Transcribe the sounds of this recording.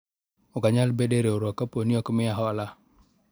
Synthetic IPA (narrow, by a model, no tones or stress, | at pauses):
ɔkaɲalbedeɾeoɾɔkːaponiɔkmɪaɦɔla